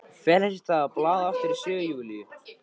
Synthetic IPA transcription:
fɛːlɛsɪ̥t̪θaðaplaːðaffɪɾɪɾ̥sʏːɣjuːliʏ

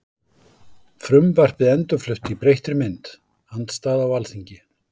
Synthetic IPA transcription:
fɾʏmvar̥pɪðɛnt̪ʏɾflʏht̪ipɾejht̪ɾʏmɪnt̪ | hant̪st̪aːðawalθiɲcɪ

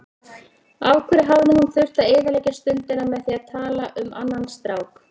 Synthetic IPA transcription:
aːwkʰvɛɾɪɦavnɪhunθʏr̥t̪aeːðaleːjcast̪ʏnt̪ɪnamɛðθiaðt̪ʰaːlaʔʏmʔa̰nːanst̪ɾaːwk

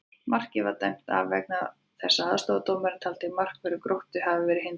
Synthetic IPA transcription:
mar̥cɪvaɾt̪ajm̥t̪a̰vvɛ̰k̚nað | θɛsːaa̰ðst̪oːwðat̪oːwmɛɾt̪ʰalt̪ɪɣmar̥kvɛɾʏɾkɾowht̪ʏɦavɪvɛɾɪɦɪn

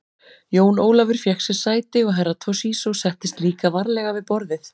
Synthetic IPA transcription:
joːwnoːwlavʏɾ̥fjɛxsɛ̥saːjt̪ɪɔɣɦɛɾːat̪ʰɔsiːsɔsɛht̪ɪst̪liːkavaɾlɛɣavɪðpɔɾðɪθ

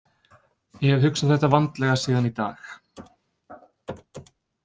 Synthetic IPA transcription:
jɛhɛvhʏksaðθɛht̪ːavant̪lɛɣasiːðanit̪a̰ːx

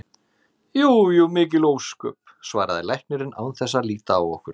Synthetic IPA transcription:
juːjumɪːcɪloːwskœ̰ːp̚ | svaːɾaðɪlajhk̚nɪɾɪna̰wnθɛsːaliːt̪a̰ːwɔhkʏɾ̥

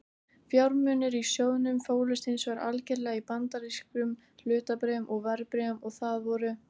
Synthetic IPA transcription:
fjawɾmʏːnʏɾisjoːwðnʏmfoːwlʏst̪ɪnsvaɾa̰lcɛɾlɛːɣaipant̪aɾiskɾʏm | l̥ʏːt̪apɾɛmʔɔɣvaɾpɾɛmɔɣθaðvɔɾʏ

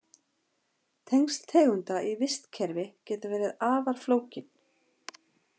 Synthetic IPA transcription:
t̪ʰejŋst̪ʰɛːɣʏnt̪aʔivɪst̪cʰɛɾvɪcɛːt̪ʏvɛːɾɪðaːvaɾ̥floːwcɪn̥

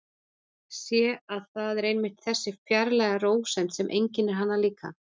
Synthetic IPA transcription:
sjɛaðθaðɛɾejnmɪht̪θɛsːɪfjaɾlɛːɣaroːwsɛnt̪sɛmʔejɲcɪnːɪɾ̥ɦanːaliːka̰

